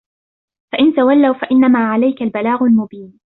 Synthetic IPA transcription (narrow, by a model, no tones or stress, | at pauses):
faʔɪnt̪awalːawfaʔɪnːamaːʕalajkalbalaːɣʊlmʊbiːn